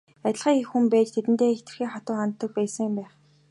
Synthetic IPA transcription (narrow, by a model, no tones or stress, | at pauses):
at̪ʲɪ̆ɮʁiːŋixumpæːt͡ɕt̪ʰet̪ɘ̆nt̪eːxt̪ɘ̆rxeːχat̪ʊːχant̪ːə̆k̚pæːsə̆ŋmpæːχ